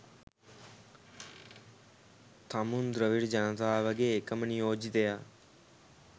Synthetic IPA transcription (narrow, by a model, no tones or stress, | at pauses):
t̪ʰaːmund̪ɾəʋɪɽd͡ʒãːnt̪aːʋəɡeːkəmniːoːd͡ʒd̪ejaː